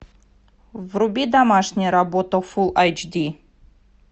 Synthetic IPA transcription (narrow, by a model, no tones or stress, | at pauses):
vrʊbʲid̪amaʂnʲɪjəɾabot̪əfulˠajd͡ʒd̪ʲi